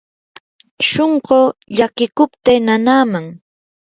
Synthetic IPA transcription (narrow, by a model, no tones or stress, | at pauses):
ʃoɴɢoːʎakɪkʊpt̪eːnanaːmaŋ